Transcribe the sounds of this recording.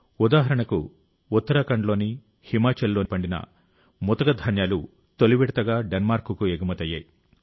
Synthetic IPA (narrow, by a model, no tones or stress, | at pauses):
ud̪aːɦɐɾɐɳɐkuː | t̪ːɐɾɐkɐɳɖlo̞ːni | himaːt͡ʃɐlːo̞ːpɐɳɖinɐ̰ | mɔt̪ɐɡɐd̪ʱɐnjaːlu | t̪oliʋiɽɐt̪ɐɡaːɖenmaːɾkukueɡumɐt̪ɐjːɐ̰ːji